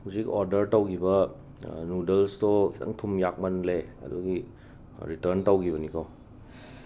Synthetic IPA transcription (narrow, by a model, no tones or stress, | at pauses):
huzikoɾdɐɾtɐwkʰibɐ | nudelstɔkita̰ŋtʰumjak̚mɐnleɐ̰dṵɡi | ɾitɐɾntɐwkiβɐnikaw